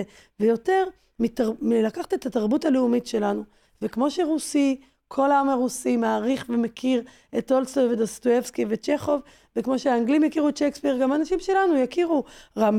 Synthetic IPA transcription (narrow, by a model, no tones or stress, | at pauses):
e | vejo̞te̞ʁ | mitamilakaχtet̪ːataʁbutaleumitʃe̞lanu | vekmo̞ʃeʁusi | kʰo̞laamaʁusimaːʁiχvemekʰiʁ | etolsovedostoefskivet͡ʃeχo̞v | vekmo̞ʃeaːŋɡlimjakiʁutʃekspiʁɡamanaʃimʃe̞lanujakiʁuʁam